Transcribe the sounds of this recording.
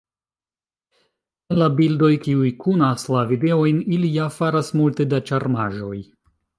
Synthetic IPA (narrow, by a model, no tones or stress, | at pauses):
enlabildo̞jkiujkʰunaslavide̞o̞jnilijafaɾasmulte̞dat͡ʃaɾmaʒo̞j